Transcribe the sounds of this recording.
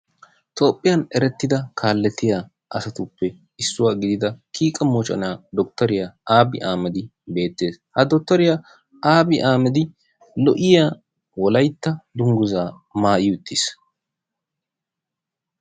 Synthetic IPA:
t̪ʰo̞ːpʼːɪjɐnɛɾɛt̪ːɪd̪ɐkʰaːlːɛt̪ːɪjaː | ʔɐsɐt̪ʊpːɛ | ɪsːʊwaːɡɪd̪ɪd̪ɐkʰiːkʼɐmoːt͡ʃʼɐ̰naːd̪ɔk̚t̪ːɐɾɪjaːʔaːbɪʔaːmɛd̪ɪbe̞ːt̪ːe̞ːshɐd̪ɔk̚t̪ːɐɾɪjaː | ʔaːbɪʔaːmɛd̪ɪ | lɔʔɪja | wɔlɐjt̪ːɐd̪ʊŋɡʊzaː | maːʔɪjʊt̪ʰːɪs

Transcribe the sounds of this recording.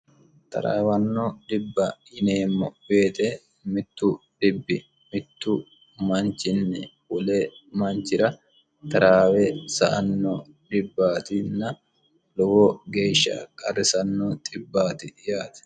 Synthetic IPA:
t̪ɐ̰ɾa̰ːwɐnːɔd̪ɪbːɐhɪneːmːɔbe̞ːt̪ɛ | mɪt̪ːʊdɪbːɪ | mɪt̪ːʊ | mɐnt͡ʃɪnːɛ̰ | ʊlemɐnt͡ʃːɪɾɐ | t̪ɐɾaːwɛsɐ̰ʔɐnːɔ | d̪ɪbːaːt̪ɪnːɐ | lɔwɔɡe̞ːʃːɐ̰kʼɐrɪsɐnːɔt̪ʼɪbːaːt̪ɪjaːt̪ɛ̥

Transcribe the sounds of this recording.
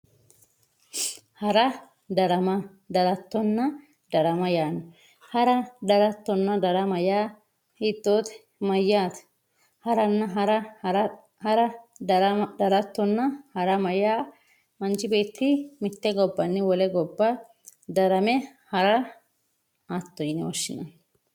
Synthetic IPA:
hɐɾɐ | d̪ɐɾɐmɐ | d̪ɐɾɐt̪ːɔnːɐ | d̪ɐɾɐmɐjaːnːɔ | hɐɾɐd̪ɐɾɐt̪ːɔnːɐd̪ɐɾɐmɐjaː | hiːt̪ːoːt̪ɛ̥ | mɐjːaːt̪ | hɐɾɐnːɐɦɾɐ | hɐɾɐɾɐd̪ɐɾɐt̪ːɔnːɐhɐɾɐmɐjaː | mɐnt͡ʃɪbe̞ːt̪ːɪmɪt̪ːɛɡɔbːɐnːɪwɔlɛɡɔbːɐ | d̪ɐɾɐmɛhɐɾɐ | ɐt̪ːɔjɪnɪɔʃːɪnɐ̰n

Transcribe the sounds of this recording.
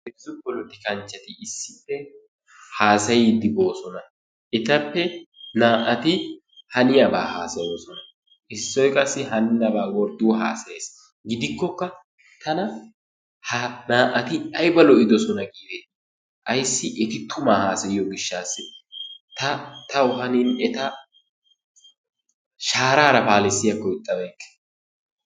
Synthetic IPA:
ɛsʊbɔlʊt̪ːɪkɐnt͡ʃːɐt̪ɪɪsːɪtːɛ | haːsɐjɪd̪ɪbo̞ːsɔnɐ | ʔɛt̪ɐpːɛnaːʔɐt̪ɪ | hɐnɪjɐbaːhaːsɐjoːsɔnɐ | ʔɪsːɔjkʼɐsːɪɦɐnnːɐbaːwɔɾd̪uːɦa̰ːsɐjeːs | ɡɪd̪ɪkːɔkːɐ | t̪ʰɐnɐ | hɐnaːʔɐt̪ɪɐjbɐlɔɪd̪ɔsɔnɐɡiːd̪eː | ʔɐjsːɪʔɛt̪ɪt̪ʰʊmaːhaːsɐjɪjɔɡɪʃːaːsːɪt̪ɐt̪ɐwʊɦɐnɪnɛt̪ɐ | ʃaːɾaːɾɐpaːlɪsːɪjɐkːɔɪt̪ʼːɐbɐjkːe̥

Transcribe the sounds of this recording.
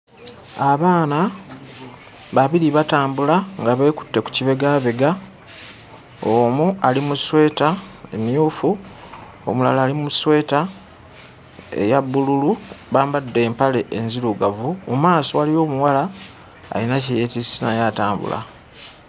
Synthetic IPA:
aβaːna | βaβiɾiβataːmbulaŋɡaβe̞ːku̥tːe̞ku̥ciβe̞ɡaːβe̞ɡa | omualimuswe̞ːtaemijuːfu | o̰mula̰laːlimuswe̞ːta | ḛjabːululuβaːmbadːe̞ːmpale̞ʔːnziluɡavumumaːso̞walijo̞ːmuwala̰ː | jinaceje̞tisinajaːtaːmbṵla̰

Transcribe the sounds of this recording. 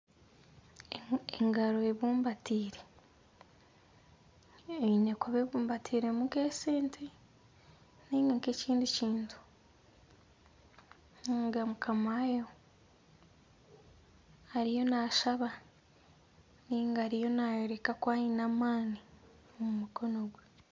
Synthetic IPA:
eŋɡaɾo̞eβuːmbatiːɾe̞ | einekoβeβuːmbatʰiːɾe̞mukeːse̞ːntʰe | niːŋɡaŋkeciːndiciːntʰu̥ | niŋɡamukʰamajo̞ | aɾijo̞naːʃaβa | niːŋɡaːɾijo̞najeɾekakwaːɲinamaːni | omumuko̞no̞ɡwe

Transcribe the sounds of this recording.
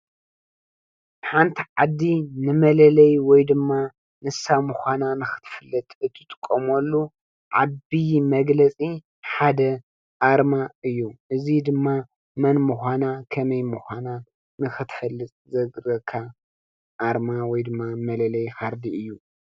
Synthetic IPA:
ħant̪ʰiʕad̪ːinɨmɐlɐlɐjwɔjd̪ɨmːa | nɨsamuxʷananɨxɨ̥t̪ʰfɨlːɐt̪ʼɨt̪ʰːɨt̪ʼɨ̥kʼːɐmolːu | ʕabimɐɡlɐt͡sʼi | ħad̪ɐ | ʔaɾmaɨjːuʔɨzid̪ɨmːa | mɐnmuxʷanakʰɐmɐjmuxʷana | nɨxɨt̪ʰfɐlːɨt̪ʼzɐɡɾɐkʰa | ʔːɾmawɔjd̪ɨmːamɐlɐlɐjxaɾd̪iɨjːu

